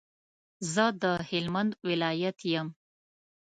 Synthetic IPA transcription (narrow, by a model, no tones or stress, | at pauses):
zəd̪əhɪlmand̪wɪlɑjat̪jəm